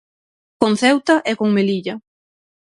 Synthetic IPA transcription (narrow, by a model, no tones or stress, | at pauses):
konθɛwt̪ɐʔɛkoŋmeliʎɐ